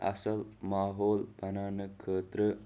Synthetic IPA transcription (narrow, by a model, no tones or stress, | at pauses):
ɐ̰sɐlmaːɦoːlbʱɐnaːnɐkʰːəːt̪ɾə